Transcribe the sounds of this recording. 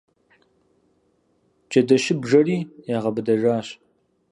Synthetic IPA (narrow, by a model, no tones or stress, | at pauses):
t͡ʃʼɐdɐʃɪbʒɐriːeːʁɐbɨdɐʒaːɕ